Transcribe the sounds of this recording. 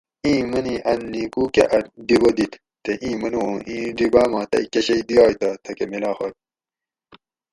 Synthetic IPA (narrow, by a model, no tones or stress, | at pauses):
ĩːmɐniʔɐnːiːkuːkḛʔɐɾɖiwɐd̪it̪ | t̪eʔĩːmɐniõːʔĩːɖibaːmãːt̪ɐ̰ikeɕɐjd̪ijɑːjt̪ɐt̪ʰɐkemilaːxɐt̪̚